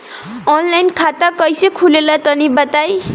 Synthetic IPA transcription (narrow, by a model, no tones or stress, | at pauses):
ɔnlajnkʰat̪akʌjsekʰulelat̪ʌnibʌt̪aj